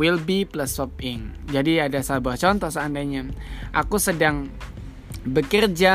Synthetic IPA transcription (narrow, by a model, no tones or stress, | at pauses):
wilbiplasɔp̚ɪŋd͡ʒadiadasabuaht͡ʃɔnt̪ɔhsaandaɲaʔakusədaŋ | bəkərd͡ʒa